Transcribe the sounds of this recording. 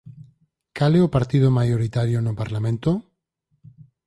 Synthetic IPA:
kaleopaɾt̪ið̞omajoɾit̪aɾjonopaɾlamẽnt̪o

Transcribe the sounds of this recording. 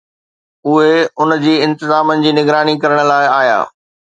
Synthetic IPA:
ʊɦeʊnd͡ʑiːɪ̃nt̪ɪzaːmənɪ̆d͡ʑiːnɪɡɾaːnikɐɾəɽ̃̆laːɪaːja̰ː

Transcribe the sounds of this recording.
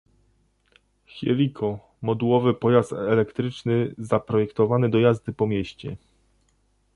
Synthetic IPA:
xʲɛ̰lʲikʰɔ | mɔd̪uwɔvɘpɔjast̪ɛlɛkt̪ɾɘt͡ʂnɘzapɾɔjɛkt̪ɔvanɘd̪ɔjazd̪ɘpɔmʲjeɕt͡ɕɛ

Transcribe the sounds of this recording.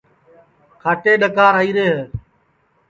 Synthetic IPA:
kʰaːʈeːɗəkaːɾaːiːɾeːɦeː

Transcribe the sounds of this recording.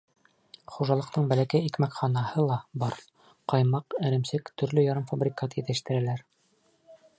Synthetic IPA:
χuʒɑlˠɤ̆qt̪ɤɴbælækæjikmækχɑnɑhɤlˠɑbɑɾ | qɑjmɑqɘ̆ɾɘ̆msɘkt̪ɵ̆ɾlɵjɑɾɤmfabrʲikat̪jɘt̪ɘ̆ʃt̪ɘ̆ɾælæɾ

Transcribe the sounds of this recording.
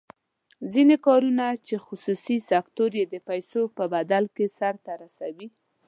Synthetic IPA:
zinekɑɾunat͡ʃexʊsusisakt̪oɾjed̪əpajsopəbad̪alkesaɾt̪aɾasawi

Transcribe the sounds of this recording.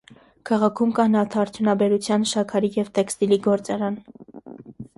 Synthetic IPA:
kʰɑʁɑkʰumkɑnɑt̪ʰɑːɾt͡s̪ʰjunɑbɛɾut͡sʰjɑnʃɑkʰɑɾijɛvt̪ɛkst̪iliɡɔɾt͡sɑɾɑn

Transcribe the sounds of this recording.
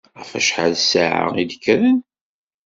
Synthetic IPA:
æfæ̰ʃħaðsaʕa̰id̪əkːɾæn

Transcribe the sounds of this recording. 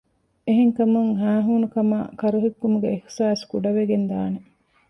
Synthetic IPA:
eɦeŋkɐmuŋɦæːɦuːnukɐma̰ːkɐɾuɦikːumuɡeːhsaːskuɖɐʋeɡend̪aːne

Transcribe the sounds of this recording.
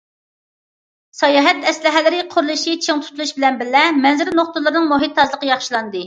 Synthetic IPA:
sɑjɑɦɛt̪ɛslɪɦɛlɪɾɪqʰʊɾlˠɨʃit͡ʃʰeŋt̪ʰu̥t̪ʰulˠuʃbɪlɛnbɪɾlɛmɛnzɪɾɪnoχt̪ʊlˠɨɾnɨŋmoɦit̪ʰːɑzlˠəqəjɑχʃilˠɑnd̪ɨ

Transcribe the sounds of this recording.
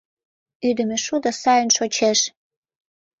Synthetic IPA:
yd̪ə̆mĕʃud̪ŏsɑjənʃot͡ɕeʃ

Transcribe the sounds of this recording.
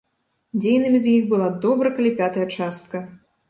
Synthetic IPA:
d͡zʲejnɨmʲizʲjixbɨlˠad̪ɔbɾɐkɐlʲipʲat̪ɐjɐt͡ʂast̪̚kɐ

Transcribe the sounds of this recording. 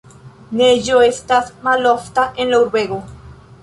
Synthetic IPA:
neʝoest̪asmaloft̪aʔẽnloɾweɣo

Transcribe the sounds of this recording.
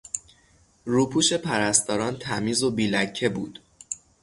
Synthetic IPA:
ɾuːpʰuːʃe̞pʰæɾæst̪ɒːɾɒːnt̪ʰæmiːzobiːlæcʰːe̞buːd̪̥

